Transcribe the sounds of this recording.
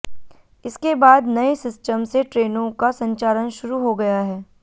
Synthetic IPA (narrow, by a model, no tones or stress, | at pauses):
ɪskebaːd̪nɐesɪsʈəmseʈɾeːnõkasɐ̃ɲt͡ʃaːɾənʃʊɾuɦoɡɐjaɦɛː